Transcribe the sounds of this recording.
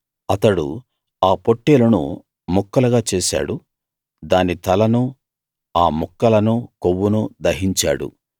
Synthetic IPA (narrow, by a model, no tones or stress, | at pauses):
ɐt̪ɐɽṵ | aːpoʈːeːlɐnṵ | mɔkːɐlɐɡaːt͡ʃeːsa̰ːɽu | d̪aːnit̪ɐlɐnu | aːmukːɐlɐnuːkowːunuːd̪ɐɦiɲt͡ʃa̰ːɽṵ